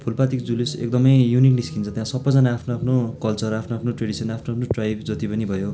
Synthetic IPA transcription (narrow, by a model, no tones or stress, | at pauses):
pʰulpat̪ikd͡zulisḛk̚d̪ʌmʌjjunikniskint͡sʰʌt̪jãsʌbːʌd͡zʌnaːpʰnoapʰnokʌlt͡sʌrapʰnoapʰnoʈreɽisʌnapʰnoapʰnoʈrajbd͡zʌt̪ipʌnibʱʌjo